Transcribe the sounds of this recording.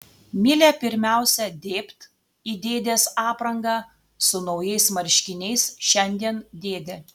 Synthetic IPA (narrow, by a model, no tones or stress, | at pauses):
mʲɪlʲepʲɪɾʲmʲæˑʊsʲɛd̪ʲeːpt̪ | iːd̪ʲeːd̪ʲeːsɑːpɾɐŋɡɑː | sʊnɒʊjɛɪsmɐɾʲʃʲkʲɪnʲɛɪsʃʲɛnʲd̪ʲiɛnd̪ʲeːd̪ʲe